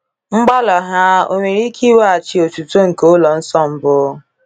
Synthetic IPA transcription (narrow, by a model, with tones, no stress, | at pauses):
ŋ͡m̩˦ɡ͡ba˦lɔ˨ɦa˦o̰˦ŋʷe˨ɾi˦kʰi˦wa˦a˨t͡ʃi˨o˨tu˨to˦ŋ̩˨ko˦lɔ˨n̩˦sɔ˦m̩˦bʊ˦